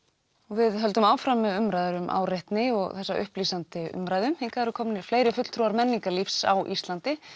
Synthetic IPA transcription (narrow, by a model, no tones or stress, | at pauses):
ɔɣvɪðɦœlt̪ʏmaːwfɾamːɛðʏmɾajðʏɾʏmʔa̰wreht̪nɪɔɣθɛsːa̰ʔʏ̰hpliːsant̪ɪʏ̰mɾajðʏmhiŋkaɛɾʏkʰɔmnɪɾ̥fleːjɾɪfʏt̪l̥t̪ʰɾuaɾmɛnːiŋkalifsa̰wʔḭst̪lant̪ɪ